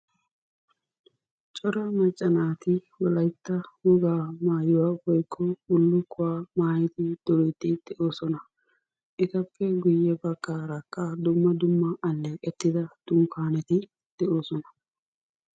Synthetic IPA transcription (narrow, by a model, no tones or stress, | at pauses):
t͡ʃʼɔɾɐmɐt͡ʃʼːɐnaːt̪ɪwɔlɐjt̪ːɐwɔɡaːmaːjɪwaːwɔjkʰːɔʊlːʊkʰːʊwaːmaːjt̪ɪd̪̥ɔɾɛt̪ːɪd̪̥ɛʔoːsɔnɐ | ʔɪt̪ɐpːɛɡʊjːɛbɐkːaːɾɐkʼːɐd̪ʊmːɐd̪ʊmːɐːlːeːkʼɛt̪ːɪd̪ɐd̪̥ʊmkaːnɛt̪ɪ | d̪̥ɛʔo̞ːsɔnɐ